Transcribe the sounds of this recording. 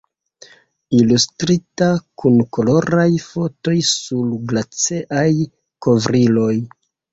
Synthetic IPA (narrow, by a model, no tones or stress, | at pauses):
ilustɾitakunko̞lo̞ɾajfo̞to̞jsulɡlat͡seʔaj | ko̞vɾilo̞j